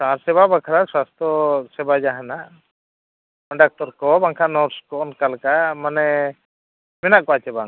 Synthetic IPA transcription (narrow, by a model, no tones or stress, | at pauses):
saɾsɛbabakʰɾaswast̪ɾɔsɛbad͡ʒaɦanaʔ | pɔɳɖak̚ʈɔɾkɔbaŋkʰanɔɾskɔɔnkalkamanɛ | mɛnaʔkɔat͡ʃɛbaŋ